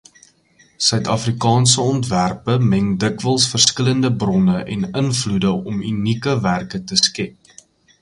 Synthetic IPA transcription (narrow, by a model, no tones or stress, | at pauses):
sœɥtɐfrikɑːnsəɔntværpəmɛŋdəkvəlˠsfərskələndəbrɔnəʔɛnənfludəʔɔmynikəværkətəskɛp̚